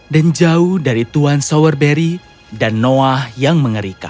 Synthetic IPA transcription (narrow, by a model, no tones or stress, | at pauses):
dand͡ʒauhdaɾit̪uansowərbeɾi | danːoahjaŋməŋəɾika̰